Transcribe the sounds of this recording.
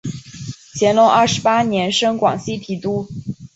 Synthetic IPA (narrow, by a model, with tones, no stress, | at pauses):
t͡ɕʰjɛ˧˥nlʊ˧˥ŋə˞˥˩ʂɻ̩˧˥pa˥njɛ˧˥nʂɤ˥ŋkwɑ̰˨˩ŋɕi˥t̪ʰi˨˩t̪u˥